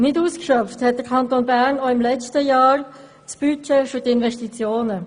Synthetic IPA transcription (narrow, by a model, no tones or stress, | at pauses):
nɪduːskʃœfthɛt̚d̥əʁkʰɑnt̪onbæʁnoɪmlɛt͡stəjɑːɾ | t͡sb̥yt͡ʃɛfytɪnʋɛʃtit͡sjoːnə